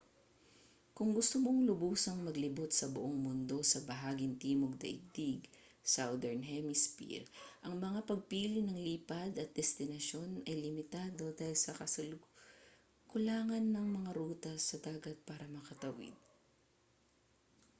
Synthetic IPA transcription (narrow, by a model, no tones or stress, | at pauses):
kʊŋɡʊst̪omoŋlʊbuːsɐŋmɐɡlɪbot̪̚sɐbʊʔoŋmʊnd̪o̞sɐbɐɦaːɡɪnt̪iːmoɡ̚d̪ɐ̰jd̪iɡ | sawd̪ɛɹnɦɛmɪspḭɾʔɐŋmɐŋapɐɡ̚piːlɪnɐŋliːpɐd̪ɐt̪̚d̪ɛst̪ɪnɐʃo̞nɐjlɪmɪt̪aːd̪o̞d̪aːhɪlsɐkɐsɐl | kʊlaːŋɐnːɐŋmɐŋaɾuːt̪ɐsːɐd̪aːɡɐt̪̚paːɾɐmɐkɐt̪ɐwɪ̰d̪̚